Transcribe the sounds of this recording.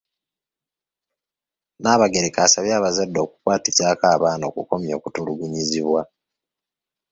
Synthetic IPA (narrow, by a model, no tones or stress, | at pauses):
naːβaɡeɾekaːsaβjaːβazadːo̞ːku̥kwaːticaːkaːβaːno̞̰ːkuko̞mjo̞ːkutuluɡuɲiziβwa